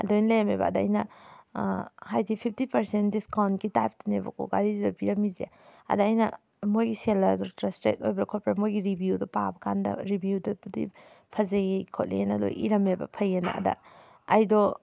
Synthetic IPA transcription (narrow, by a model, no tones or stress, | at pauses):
ɐ̰dojnlemebɐ̰ːdɐ̰ːjnɐ | hajdipʰip̚ʰtipɐɾsendiskawnkitap̚tinebɐ̰kʰo̰ɡa̰ɾizidɔbiɾɐmizḛ | ɐ̰dɐːjnɐ̰ | mojɡiselɐdɔtɾastɾḛt̚ojbɐkʰɔpɾmojɡiɾibʱjudɔpabɐkʰandɐ̰ɾibjudɐpudḭ | pʰɐzɐɡikʰɔt̚lḭenɐdo̰jʔḭɾɐmebɐ̰pʰɐjenɐ̰ɐ̰dɐ̰ | ɐjdɔ